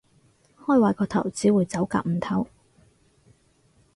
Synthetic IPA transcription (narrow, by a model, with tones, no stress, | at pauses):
hɔː˥˧jwaː˨˧jkɔː˧t̪ʰɐ̰˨˩wt͡siː˨˥wuː˨˧jt͡sɐ˨˥wka̰ː˧k̚m̩˨˩t̪ʰɐ˨˥˩w